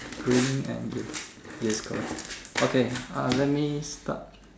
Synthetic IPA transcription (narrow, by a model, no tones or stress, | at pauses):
ɡ̥ɹinĩŋɛ̰̃njjɛskʰɔ̰lʔokʰealɛt̚mista̰t̚